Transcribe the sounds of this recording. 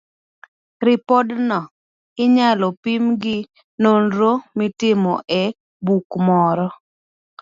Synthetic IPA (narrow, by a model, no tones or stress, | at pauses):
ɾɪpɔdnɔ | ɪɲalɔpimɡɪ | nonɾomɪtɪmɔʔɛ | bukmɔɾɔ